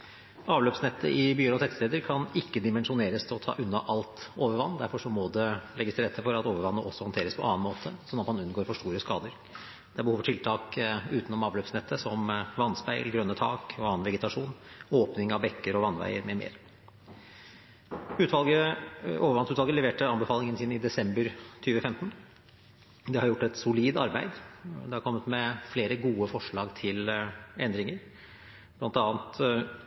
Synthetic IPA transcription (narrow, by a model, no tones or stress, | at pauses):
ɑːʋløːpsnɛt̪ʰːə̰ʔɪbyːəɾɔt̪ʰɛt̪st̪eːd̪əɾkʰɑnɪkːəd̪ɪmɛnʂʊneːɾəst̪ʰɪlɔt̪ʰɑ̰ːʔʉnːɑʔɑlt̪oːʋəɾʋɑnːd̪æɾfɔʂɔmɔd̪ɛlɛɡːəst̪ʰɪɾɛt̪ʰːəfɔɾɑt̪oːʋəɾʋɑnːəʔɔsːɔhɔnt̪ʰeːɾəspʰɔʔɑ̰ːnmoːt̪ʰəsɔnːɑt̪mɑnʉnɡoːɾfɔʂʈuːɾəskɑ̰ːd̪əɾ | d̪̥ɛæɾbəhuːʋfɔʈʰɪlt̪ʰɑːkʉːt̪nɔmɑːʋløːpsnɛt̪ʰːəsɔmʋɑnːspæɪlɡɾœnːət̪ʰɑ̰ːkɔɑːənʋɛɡət̪ʰɑʂuːnoːpnɪŋɑʋbɛkːəɾɔʋɑnːʋæ̰ɪəɾmɛːɾmḛːɾ | ʉːt̪ʋɑlɡəoːʋəɾʋɑnsʉːt̪ʋɑlɡəlɛʋeːʈəɑnbəfɑːlɪŋənsiːnəɪd̪ɛsɛmbəɾt̪ʰyːʋəfɛmt̪n | d̪ɛhɑɾjʊʈːɛt̪sʊliːd̪ɑɾbæɪd̪d̪ɛhɑɾkʰɔmːət̪mɛfleːɾəɡuːəfɔʂɭɑːɡt̪ʰɪlɛnd̪ɾɪŋəɾ | b̥lɑnt̪ɑːnt̪